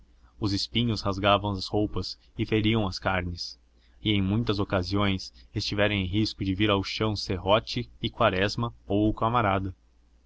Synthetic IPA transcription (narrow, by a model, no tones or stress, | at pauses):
ʊzɪspĩɲʊshazɡavɐ̃w̃ɐzhowpɐs | ɪfeɾiɐ̃w̃ɐskaɾnɪs | ɪẽj̃mũj̃t̪ɐzokaziõj̃sest͡ʃivɛɾẽj̃ẽj̃ɦiskʊd͡ʒɪviɾawʃɐ̃w̃seɦɔt͡ʃɪːkwaɾɛzmɐowkamaɾad̪ɐ